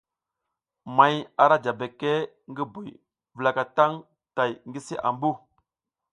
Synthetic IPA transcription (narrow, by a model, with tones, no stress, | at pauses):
ma˨ja˨ɾa˦d͡ʒa˨be˨kːe˦ | ŋɡi˦bu˨j | və˨la˨ka˨ta˦ŋ | ta˨jŋɡi˦si˦ʔa̰˨mbu˦